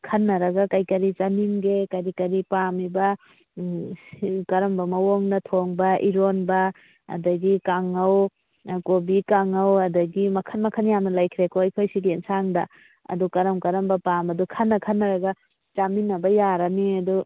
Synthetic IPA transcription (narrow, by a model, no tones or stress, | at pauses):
kʰɐnːɐɾɐɡɐkajkɐɾit͡ʃaminɡekaɾikɐɾipamibɐ | kɐɾɐmbɐmɐwoŋnɐtʰoŋbɐʔiɾonbɐ̰ː | dɐɡikaŋɐw | kobikaŋɐwɐdɐɡimɐkʰɐnmɐkʰɐnjamnɐlajkʰɾekojpʰajsiɡiensaŋdɐ | ɐ̰dukɐɾɐmkɐɾɐmbɐpamɐdukʰɐnːɐkʰɐnːɐɾɐɡɐ | t͡ʃaminɐbɐjaɾɐniɐdu